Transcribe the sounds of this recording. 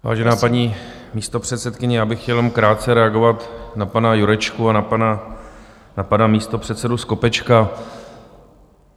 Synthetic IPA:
va̰ːʒɛnaːpaɲiː | miːst̪o̞pr̝̥ɛt̪sɛt̪kɪɲɛjaːbɪxcɛlmkɾaːt̪̚t͡sɛɾɛaɡo̞vat̪napanajuɾɛt͡ʃkuanapana | napanamiːst̪o̞pr̥ɛt̪sɛdusko̞pɛt͡ʃka

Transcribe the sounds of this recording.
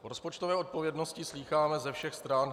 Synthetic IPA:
ɾo̞spo̞t͡ʃt̪ovɛːot̪̚po̞vjɛdnoscɪsliːxaːmɛzɛfʃɛxst̪ɾaːn

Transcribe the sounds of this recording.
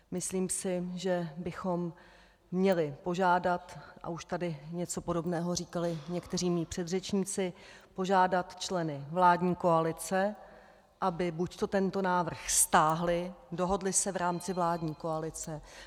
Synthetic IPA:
mɪsliːmsɪʒɛbɪxo̞mː | ɲɛlɪpo̞ʒaːdat̪ʔa̰uʃt̪adɪɲɛt͡so̞po̞do̞bnɛːɦo̞riːkalɪɲɛkt̪ɛr̝iːmiːpr̥ɛd̪r̝ɛt͡ʃɲiːt͡sɪpo̞ʒaːdat̪t͡ʃlɛnɪvlaːdɲiːko̞alɪt͡sɛ | ʔabɪbuct̪o̞t̪ɛnt̪o̞naːvr̩xst̪aːɦlɪdo̞ɦo̞dlɪsɛvɾaːmt͡sɪvlaːdɲiːko̞alɪt͡sɛ

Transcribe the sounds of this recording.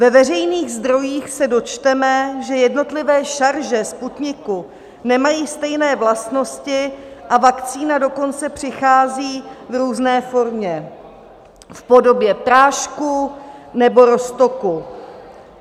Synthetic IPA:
vɛvɛr̝ɛjniːɣzd̪ɾo̞jiːxsɛdo̞t͡ʃt̪ɛmɛʒɛjɛdno̞t̪lɪvɛːʃaɾʒɛsput̪ɲɪku | nɛmajiːst̪ɛjnɛːvlast̪no̞scɪʔavakt͡siːnado̞ko̞nt͡sɛpr̝̥ɪxaːziːvɾuːznɛːfo̞ɾmɲɛ | fpo̞do̞bjɛpɾaːʃkunɛbo̞ɾo̞st̪o̞ku

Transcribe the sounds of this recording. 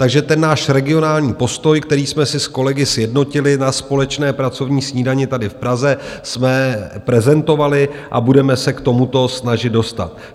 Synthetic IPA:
t̪aɡʒɛt̪ɛnːaːʃɾɛɡɪo̞naːlɲiːpo̞st̪o̞jkt̪ɛɾiːsmɛsɪsko̞lɛɡɪsjɛdno̞cɪlɪnaspo̞lɛt͡ʃnɛːpɾat͡so̞vɲiːsɲiːdaɲɪt̪adɪfpɾazɛsmɛpɾɛzɛnt̪o̞valɪʔa̰budɛmɛsɛkt̪o̞mut̪o̞snaʒɪt̪do̞st̪a̰t̪̚

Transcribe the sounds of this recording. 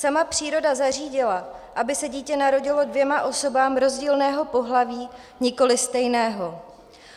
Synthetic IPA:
samapr̝̥iːɾo̞dazar̝iːɟɪlaʔabɪsɛɟiːcɛnaɾo̞ɟɪlo̞dvjɛmaʔo̞so̞baːmɾo̞zɟiːlnɛːɦo̞po̞ɦlaviː | ɲɪko̞lɪst̪ɛjnɛːɦo̞

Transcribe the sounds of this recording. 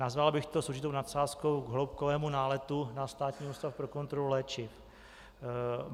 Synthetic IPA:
nazvalbɪxt̪osouwʒɪt̪ownat̪saːskowɡɦlowp̚kovɛːmunaːlɛt̪unast̪aːt̪ɲiːust̪afpɾo̞ko̞nt̪ɾolulɛːt͡ʃɪf

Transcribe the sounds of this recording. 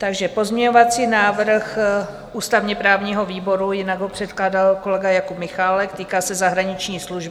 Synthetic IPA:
t̪aɡʒɛpo̞zmɲɛɲo̞vat͡siːnaːvr̩x | ʔuːst̪avɲɛpɾaːvɲiːɦo̞viːbo̞ɾujɪnaɡɦo̞pr̝̥ɛt̪klaːdalko̞lɛɡajakupmɪxaːlɛkt̪iːkaːsɛzaɦɾaɲɪt͡ʃɲiːsluʒbɪ

